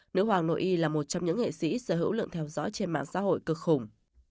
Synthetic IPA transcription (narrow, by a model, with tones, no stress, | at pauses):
nɨ̰˧˥ɦwaː˨˩ŋno̰˧˨ʔi˧laː˨˩mo˨˩t̚t͡ɕɔ˧wŋ͡mɲɨ̰˧˥ŋḛ˧˨sḭ˧˥səː˧˩ɦɨ̰˧˥wlɨ̰˧˨ŋt̪ʰɛ˧wzɔ̰˧˥jt͡ɕe˧nma̰ː˧˨ŋsa̰˧˥ɦo̰˧˨jkɨ˧˩k̚xʊ˨˩ŋ͡m